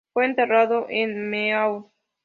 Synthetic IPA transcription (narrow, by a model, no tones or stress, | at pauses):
weent̪eraðoʔenmeaw